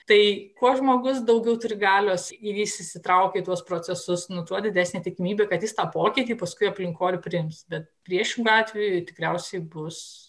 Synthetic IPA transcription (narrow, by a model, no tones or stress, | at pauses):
t̪ɐɪkoɔʒmoːɡʊs̬d̪ɐʊɡʲɛʊt̪ʊɾʲɪɡɑːlʲoːsɪjisɪsʲɪt̪ɾɐʊkʲeːɪt̪uɔspɾoːt͡s̪ʲɛsʊsnʊt̪uɔd̪ʲɪd̪ʲæːsʲnʲeːt̪ʲɪkʲɪmʲiːbʲekɐt̪jɪst̪ɑːpoːkʲɪːt̪ʲiːpɐskʊɪɐpʲlʲɪŋkoːlʲʊpʲɾʲɪɪmsbʲɛt̪̚pʲɾʲiɛʃʲɪŋɡʊɑːt̪ʲʋʲejʊt̪ʲɪkɾʲɛʊsʲɛɪbʊs